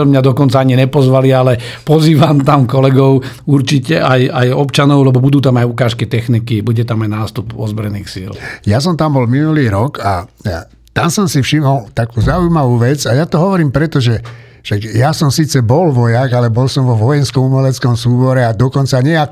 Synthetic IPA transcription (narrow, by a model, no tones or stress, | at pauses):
mɲad̪ɔkɔnt͡saaɲinɛpɔzʋalialɛ | pɔziːʋamt̪amkɔlɛɡɔʊ | uɾt͡ʃicɛʔajajɔpt͡ʃanɔʊlɛbɔbud̪uːt̪amajukaːʃkit̪ɛxnikibuɟɛt̪amajnaːst̪upɔzbɾɛniːxsḭljas̬ɔmt̪ambɔlminuliːɾɔka̰ | t̪amsɔmsifʃimɔlt̪akuːzaujmaʋuːʋɛd͡zajat̪ɔɦɔʋɔɾiːmpɾɛt̪ɔʒɛ | ʃakjasɔmsiːt͡sɛbɔlʋɔjaɡalɛbɔlsɔmʋɔʋɔjɛnskɔmumɛlɛt͡skɔmsuːbɔɾɛad̪ɔkɔnt͡saɲɛa